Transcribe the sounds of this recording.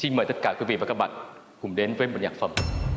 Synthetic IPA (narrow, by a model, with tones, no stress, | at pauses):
si˧nməː˨˩jt̪ə˥t̚kaː˧˩kwi˨˦vḭ˧˨a˨˩kːa˦˥ɓa̰ː˧˨n | kʊ˨˩ŋ͡mɗe˨˦nvəː˨˦jmo˨˩t̚ɲaː˨˩k̚fə˨˧˩m